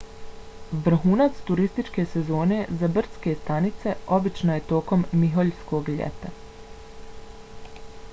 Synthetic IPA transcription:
ʋrɾ̩ɦuːnat̪st̪uɾist̪it͡ʃke̞ːse̞zo̞ːne̞ːzabr̩ske̞st̪anit̪se̞o̞bit͡ʃnoje̞t̪o̞ːko̞mːiɦo̞ʎsko̞ɡʎḛt̪a

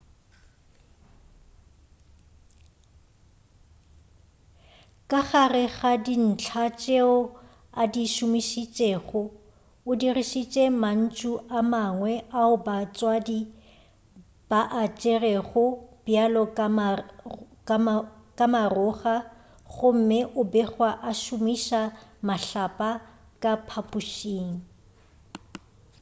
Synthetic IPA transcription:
kʼaɣarɪɣadin̩t͡ɬʰat͡ʃʼeʊ | adiʃʊmiʃit͡ʃʼeɣʊ | ʊdiriʃit͡ʃʼeman̩t͡ʃʼuʔamaŋwɛʔaʊbat͡sʼwadi | b̥aʔat͡ʃʼerɛɣʊb̥jalɔkʼ | kʼamarʊɣa | ɣʊm̩mɪʔʊbɛɣwaʔaʃʊmiʃamaɬapʼa | kʼapʰapʼuʃiːŋ̩

